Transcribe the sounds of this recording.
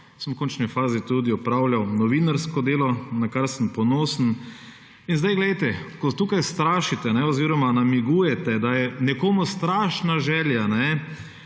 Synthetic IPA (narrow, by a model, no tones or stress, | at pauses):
səmwkoːnt͡ʃnɛfaːzit̪ud̪iɔpɾawljawnɔʋiːnaɾskɔd̪eːlɔnakaɾsəmpɔnoːsən̩ | inzd̪ajɡlɛjt̪ɛkɔt̪uːkajst̪ɾaːʃit̪ɛnɛɔziːɾɔmanamiɡuːjɛt̪ɛd̪ajɛnɛkoːmust̪ɾaːʃnaʒɛːljanɛ